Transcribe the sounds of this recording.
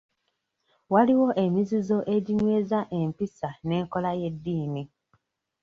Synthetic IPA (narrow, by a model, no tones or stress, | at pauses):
waliwo̞ʔe̞mizizo̞ʔe̞ɟiɲwe̞ːzaʔe̞mpisane̞ːŋko̞laje̞dːiːni